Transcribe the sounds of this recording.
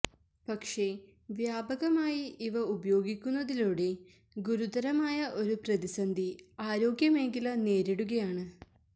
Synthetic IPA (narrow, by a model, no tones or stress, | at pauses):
pɐkʂe̞ | ʋjaːbɐɣɐmaːjiiʋɐubɐjo̞ːɡikʲːunːɐðiluːɽe̞ | ɡuɾud̪ɐɾɐmaːjɐʔo̞ɾuprɐðisɐnd̪ʱiaːɾo̞ːɡjɐme̞ŋɡilɐne̞ːɾeɽuɣɐjaːɳɨ